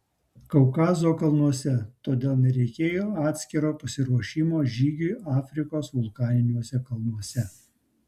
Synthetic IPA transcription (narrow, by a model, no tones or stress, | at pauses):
kɐʊkɑːzoːkɐlˠnuɔsʲɛt̪oːd̪ʲeːlˠnʲɛɾʲɛɪkʲeːjoːɑːt̪ʲsʲkʲɪɾoːpɐsʲɪɾuɔʃʲiːmoːʒʲiːɡʲʊjɑːfʲɾʲɪkoːsʋʊlˠkɑːnʲɪnʲuɔsʲɛkɐlˠnuɔsʲɛ